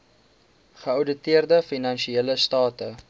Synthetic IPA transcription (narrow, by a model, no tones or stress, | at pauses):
χəœwdətiərdəfinɐnʃieːləstɑːtə